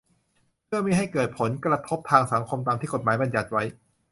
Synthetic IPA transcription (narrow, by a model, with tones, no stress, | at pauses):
mʰɯ˥˩əmiː˧˥˩ɦa˥˩jkɤː˨˩t̪̚pʰo˩˦nkɾa˧t̪ʰo˦˥p̚t̪ʰaː˧ŋsa˩˦ŋkʰo˧mt̪aː˧mt̪ʰiː˥˩ko˨˩t̪̚maː˩˦jba˧nja˨˩t̪̚wa˦˥j